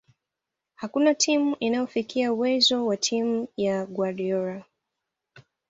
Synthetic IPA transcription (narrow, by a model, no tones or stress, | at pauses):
hakunatʰimuʔinajɔfikiauwɛzɔwatʰimujaɡwaɾiɔɾa